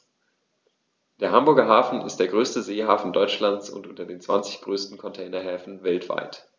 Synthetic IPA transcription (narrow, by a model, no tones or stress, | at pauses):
d̥eːɐhambʊɐɡɐɦaːfn̩ɪ̰std̥eːɐɡʁøːstəzeːɦaːfn̩dɔʏt͡ʃlant͡sʊ̰ntʔʊntɐdeːnt͡sv̥ant͡sɪçɡ̥ʁøːstn̩kʰɔntʰɛːɪnɐɦɛːfn̩vɛltv̥a̰ɪt